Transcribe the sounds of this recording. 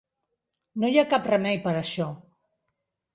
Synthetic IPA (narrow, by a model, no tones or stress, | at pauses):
nojakaprəmɛjpəɾəʃɔ